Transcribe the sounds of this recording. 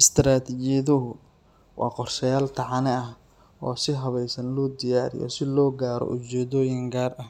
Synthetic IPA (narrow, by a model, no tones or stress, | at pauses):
ʔɪst̪ʰɾaːt̪ʰit͡ʃɪjɐðʊɦʊ | wɑ̰ːqɔrʃɐjaːlt̪ʰɑʕɑnɛɐh | ʔɔːsɪɦɐβɛjsɐnlɔːd̪ɪjaːɾɪ̰jɔ̰sɪlɔːɡaːɾɔ̰ʔʊt͡ʃɛːðɔːjɪŋɡaːrɐh